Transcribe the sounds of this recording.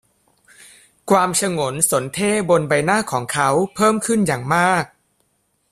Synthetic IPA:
kʰwaː˧mt͡ɕʰa˧ŋo˩˦nso˩˦nt̪ʰeː˥˩bo˧nba˧jnaː˥˩kʰɔː˩˦ŋkʰa˦˥wpʰɤː˥˩mkʰɯ˥˩njaː˨˩ŋmaː˥˩k̚

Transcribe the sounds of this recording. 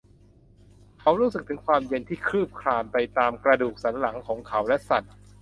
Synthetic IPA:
kʰa˨˦˥wɾuː˥s̬ɯ˨˩k̚t̪ʰɯ˩˦ŋkʰwaː˧mje˧nt̪ʰiː˥˩kʰɾɯː˥˩p̚kʰlaː˧npa˧jt̪aː˧mkɾa˧duː˨˩k̚sa˩˦nla˩˦ŋkʰɔː˩˦ŋkʰa˦˥wlɛ˦˥ʔsa˨˩t̪̚

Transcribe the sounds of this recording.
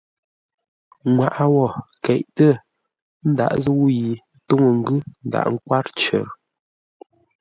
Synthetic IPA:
ŋwa˨ʔa˨wɔ˦˨kɛ˨ʔtə˦˨˦ | n̩˦da̰˨ʔzə˦wu˦ji˨˦to˦ŋə˨ŋ̩˦ɡʉ˦n̩˦da̰˨ʔŋ̩˦kwa˦ɾt͡ʃə̰˨ɾ

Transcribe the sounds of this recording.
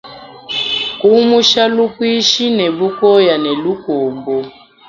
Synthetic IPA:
ku˦mu˦ʃa˦lu˦kwi˦ʃi˦ne˨βu˦kɔ˦ja˨ne˨lu˦koː˨mbɔ˦

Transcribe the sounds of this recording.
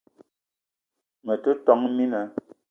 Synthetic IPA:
mə˨tu˦tɔ˨˦ŋmi˦nə˨

